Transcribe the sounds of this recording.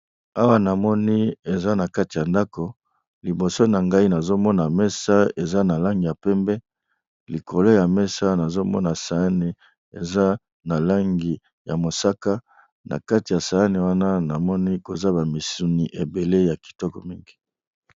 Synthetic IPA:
a˦wa˦na˨mɔ˦ni˦e˨za˦na˨ka˦ti˨ja˨nda˦ko˨ | li˨bo˨so˦na˨ŋɡa˦i˦na˨zo˦mɔ˦na˨mɛ˦sa˦e˨za˦na˨la˦ŋɡi˨ja˨pɛ˦mbɛ˦ | li˨ko˨lo˦ja˨mɛ˦sa˦na˨zo˦mɔ̰˦na˨sa˨a˦ni˨ | e˨za˦ | na˨la˦ŋɡi˨ | ja˨mo˨sa˦ka˦ | na̰˨ka˦ti˨ja˨sa˨a˦ni˨wa˦na˦na˨mɔ˦ni˦ko˨za˦ba˨mi˨su˦ni˨ʔe˨be˨le˦ja˨ki̥˨tɔ˦kɔ̰˨mi˦ŋɡi˨

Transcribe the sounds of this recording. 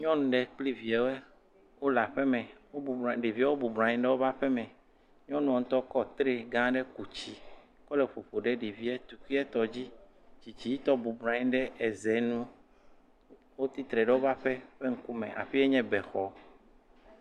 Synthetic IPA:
ɲɔ̃˦nũ˨ɖe˨k͡pli˦vi˨ɛ˨wo˦ɛ˦ | wo˦la˨ɸe˦mɛ̃˨wo˦u˨ɖi˨vi˦a˦wo˦bu˨bɾã˨ɲĩ˦ɖɛ˦wo˦va˦ɸɛ˦mɛ̃˨ | ɲɔ̃˦nũ˦ɔ˨ŋũ˦t̪ɔ˦kɔ˦t̪ɾe˦ɡã˦ɖe˦ku˨t͡ɕi˦ | kɔ˦le˨ɸo˨ɸo˨ɖe˦ɖi˨vi˦ɛ˦t̪u˨kʷi˦ɛ˦t̪ɔ˨d͡ʑi˦t͡ɕi˨t͡ɕi˨ji˦t̪ɔ˦bu˨bɾã˨ɲĩ˦ɖɛ˦e˨zɛ˨nũ˦ | wo˦t̪i˦t̪ɾɛ˨ɖe˦wo˦va˦ɸe˦ɸe˦ŋ̩˦ku˦mɛ̰̃˨ʔa̰˨ɸi˦e˦ɲɛ̃˦bɛ˨xɔ˨

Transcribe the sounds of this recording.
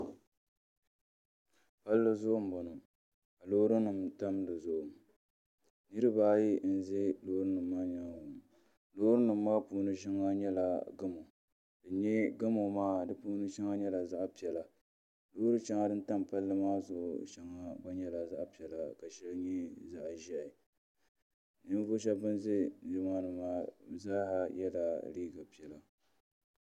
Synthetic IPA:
pa˦lːɨ˦zʊ˦ʔʊ˨m˨bɔ˨nɨ˨ | ka˨loː˦ɾɨ˦nɨ˨mta˦mdɨ˨zʊ˦ʔʊ˨m | nɨ˦ɾɨ˦baː˦ji˦n̩˨zɛ˦loː˦ɾɨ˦nɨ˨mːaː˦ɲa˨ŋ˨bʊ˨m˨ | loː˦ɾɨ˦nɨ˨m̩ːaː˦puː˦nɨ˦ʃɛ˦ŋːa˦ɲɛ˦la˨ɡa˦mo˨ | dɨ˨ɲɛ˦ɡa˦mo˨maː˦dɨ˨puː˦nɨ˦t͡ʃa˦ŋa˦ɲɛ˦la˨za˦ʔpi˨ɛ˨la˨ | loː˦ɾɨ˦t͡ʃa˦ŋːa˦dɨ˦n̩˦ta˦m˨pa˦lːɨ˦maː˦zʊ˨ʔʊ̰˨t͡ʃa˦ŋːa˨ba˦ɲɛ˦la˨za˦ʔpi˨ɛ˨la˨ka˨ʃɛ˦lɲɛ˦za˨ʔʒɪ˦ʔɪ˨ | nɨ˦m˦vo˦ʃ̬a˦bɨ˦nze˦d͡ʒɪ˨maː˦nɨ˨maː˦˨za˦ha˦jɛ˦la˨ɾiː˦ɡa˨pi˨ɛ˨la˨

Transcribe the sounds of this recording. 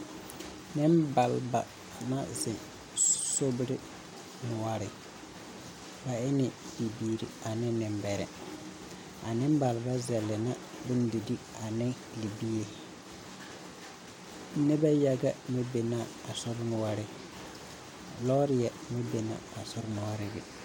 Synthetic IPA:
nɪ˦mba˨lba˨ | na˦zɪ˨n | so˦bɾɪ˦ | mʊ˨wa˦ɾɪ˨ | ba˨ɪ˦nɪ˨bi˨biː˦ɾḭ˨a˨nɪ˦nɪ˨mbɛ˨ɾɛ̰˨ | a˨nɪ˦m˦ba˨lba˦zɛ˨lːɪ˨na˦ | bɪ˦n˦di˨di˦a˨nɪ˦ | li˨bi˦je˨˦ | nɛ˦ba˦ja˦ɡa˦mɪ˦be˨na˦˨a˨sʊ˦ɾmʊ˨wa˦ɾɪ˦ | lɔ˦ɾɪ˦jɛ˨mɪ˦be˨na̰ː˨sʊ˦ɾmʊ˨wa˦ɾɪ˦ɡɪ̰˨

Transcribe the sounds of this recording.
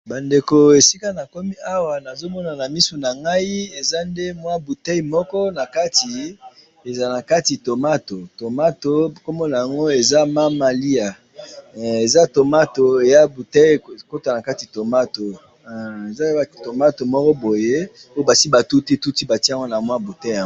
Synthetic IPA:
ba˨nde˨ko˨e˨si˦ka˦na˨ko˦mi˦a˦wa˨na˨zo˦mɔ˦na˨na˨mi˦su˨na˨ŋɡa˦i˦e˨za˦nde˦mwa˦bu˨te˦i˨mɔ˦kɔ˦na˨ka˦ti˨ | e˨za˨na˨ka˦ti˨to˨ma˦to˨to˨ma˦to˨ko˦mɔ˦na˨a˨ŋɡo˦e˨za˦ma˦ma˨li˦a˨ | e˨za˦to˨ma˦to˨e˨ja˦bu˨te˦˨ko˦ta˨na˨ka˦ti˨to˨ma˦to˨ | e˨za˦i˨to˨ma˦to˨mɔ˦kɔ˦bo˨je˦o˦o˦ba˨si˦ba˨tu˦ti˦tu˦ti˦ba˨ti˦a˨ŋɡo˦na˨mwa˦bu˨te˦˨a˨ŋ˦

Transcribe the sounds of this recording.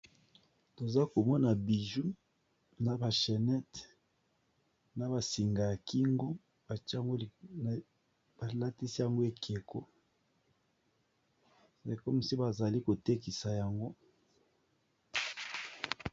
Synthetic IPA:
to˨za˦ko˨mɔ˦na˨bi˨ʒu˦ | na˨ba˨ʃe˨nɛ˦t | na˨ba˨si˨ŋɡa˨ja˨ki˦ŋɡo˦ | ba˨t͡ʃŋɡo˦˨ | ba˨la˦ti˦si˦ja˨ŋɡo˦e˨kʰe˨ko˦ | e˨kɔ˦mi˨si˦ba˨za˨li˦ko˨te˦ki˨sa˨ja˨ŋɡo˦

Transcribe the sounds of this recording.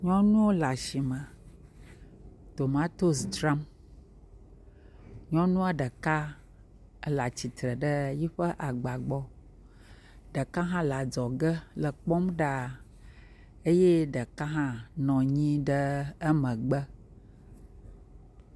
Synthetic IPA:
ɲɔ̃˦nũ˦wo˦la˨ʃi˨mə̃˨ | t̪o˨mã˦t̪o˦sd͡ʒɾa˦m | ɲɔ̃˦nũ˦a˦ɖə˨ka˦ | la˨t͡ɕi˨t̪ɾə˨ɖə˦ji˦ɸə˦ʔa˨ɡ͡ba˨ɡ͡bɔ˦ | ɖə˨ka˦ɦã˦la˨d͡ʒɔ˨ɡə˦lə˨k͡pɔ˦mɖa˦ | e˦je˦ɖə˨ka˦ɦã˦nɔ̃˨ɲĩ˦ɖə˦ə˦mə̃˨ɡ͡bə˦

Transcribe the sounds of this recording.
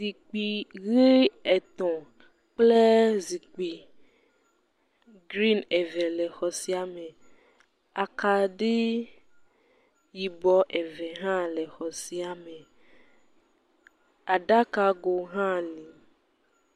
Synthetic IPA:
zi˨k͡pi˨ɣe˦ɛ˨t̪ɔ̃˨ | k͡ple˦zi˨k͡pi˨ | ɡɾi˦nɛ˨vɛ˨lɛ˨xɔ˨si˦a˨me˨ | a˨ka˨ɖe˦ | ji˨bɔ˦ʔɛ˨vɛ˨ɦã˦lɛ˨xɔ˨si˦a˨me˨ | a˨ɖa˦ka˦ɡo˨ɦã˦nĩ˨

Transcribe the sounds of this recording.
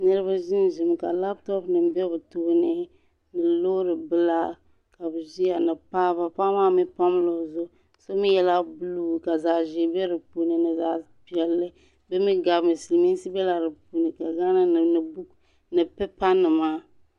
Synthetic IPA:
nɛ˦ɾɨ˦ba˦ʒi˦n˨ʒɪ˨m˨ka˨la˦ptɔ˦pnɨ˨m˨bɛ˦bɨ˨toː˦nɪ˦ | nɨ˨loː˦ɾɨ˨bɨ˦la˦ | ka˨bɨ˨ʒi˦a˨nɨ˨paː˦βa˦paː˦maː˦mɪ˦pa˦m˦lo˨zʊ˦ | so˦mɪ˦jɛ˦la˦bu˦lu˦˨ka˨za˨ʒi˨bɛ˦ɾɨ˨pu˨nɨ˨nɨ˨za˨ | pi˨ɛ˨lːɨ˦ | bɛ˦mi˦ɡa˨bmɨ˨si˨lmi˦n˦si˦bɛ˦la˨ɾɨ˨pu˨nɨ˨ka˨ɡa˦na˦n˨nɨ˨bu˦ | nɨ˨pɛ˦pa˦nɨ˨maː˦

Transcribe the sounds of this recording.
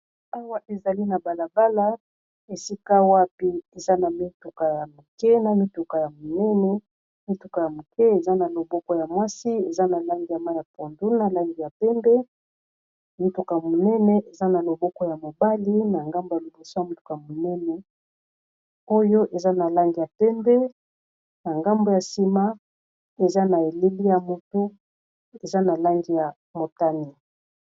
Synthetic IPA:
a˦wa˦ʔe˨za˨li˦na˨ba˨la˨ba˦la˦ | e˨si˦ka˦wa˦pi˦e˨za˦na˨mi˦tu˨ka˨ja˨mu˨kɛ˦na˨mi˦tu˨ka˨ja˨mo˨nɛ˦nɛ˦ | mi˦tu˨ka˨ja˨mu˨kɛ˦e˨za˦na˨lo˨bɔ˦kɔ˦ja˨mwa˦si˦e˨za˦na˨la˦ŋɡi˨ja˨ma˦ja˨po˨ndu˦na˦la˦ŋɡi˨ja˨pɛ˦mbɛ˦˨ | mu˦tu˨ka˨mo˨nɛ˦nɛ˦ʔe˨za˦na˨lo˨bɔ˦kɔ˦ja˨mo˨ba˦li˦na˨ŋɡa˦mbo˨ja˨lo˨bo˨so˦ja˨mu˦tu̥˨ka˨mo˨nɛ˦nɛ˨˦ | o˦jo˦ʔe˨za˦na˨la˦ŋɡi˨ja˨pɛ˦mbɛ˦ | na˨ŋɡa˦mbo˨ja˨si˦ma˦ | e˨za˦na˨e˨le˦li˦ja˨mo˨tu˦ | e˨za˦na˨la˦ŋɡi˨ja˨ | mo˨ta˦ni˨

